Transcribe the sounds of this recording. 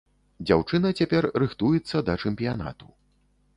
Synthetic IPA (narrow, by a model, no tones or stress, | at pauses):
d͡zʲawt͡ʂɨn̪ɐt͡sʲapʲɛrrɨxt̪ujɛt̪sːɐd̪ɐt͡ʂɛmʲpʲijana̰t̪u̥